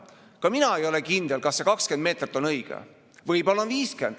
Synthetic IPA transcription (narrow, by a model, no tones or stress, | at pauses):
kɑminɑe̞jo̞lekind̪̥e̞lkɑsːe̞kɑkskend̪̚me̞ːt̪rit̪ːˑo̞nɤjɡ̥ḛ | vɤjbolːɑnviːske̞̰nd̪̥